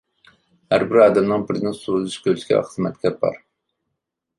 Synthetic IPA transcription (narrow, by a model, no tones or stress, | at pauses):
hæɾbɪɾɑːd̪ɛmnɨŋbɪɾnɪŋsuzɨʃkʲʰølt͡ʃ̪kʲɛ̰æ̰χʰsɨmɛt̪kʲʰɛp̚bɑ̰ɾ